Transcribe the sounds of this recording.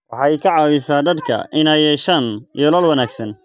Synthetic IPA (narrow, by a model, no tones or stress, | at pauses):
wɑħɑːɛjkʰɐʕɑːwɪsaːd̪ɐd̪kʰɐ̰ʔɪnɛjɛʃɐnijɔlɔːlwɐnaːɡsɐn